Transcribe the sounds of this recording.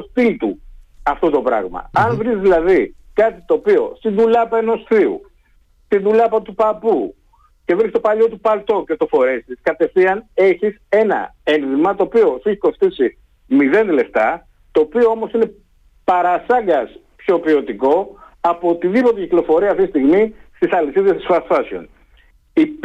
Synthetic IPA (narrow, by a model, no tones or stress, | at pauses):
ost̪ilt̪uɐft̪o̞t̪o̞pɾɐ̰ɣmɐ̰ɐnvɾizðilɐðikɐt̪it̪o̞ːpio̞̰st̪inðuʎɐpeno̞sθiṵ | st̪inðuʎɐpɐt̪upɐpu | ce̞vɾist̪o̞pɐʎo̞t̪upɐlt̪o̞ce̞t̪o̞fo̞ɾe̞siskɐt̪e̞fθiɐne̞çise̞nɐ̰e̞nðimɐt̪oːpio̞θeçi̥ko̞st̪isi | miðe̞nd̪ele̞ft̪ɐ | t̪oːpio̞omo̞sine̞ | pɐɾɐsɐŋɡɐs | pço̞pio̞t̪iko̞ | ɐpo̞t̪iðipo̞t̪eciklo̞fo̞ɾiɐft̪isist̪iɣmist̪isɐlisiðest̪isfɐsfɐsio̰n | i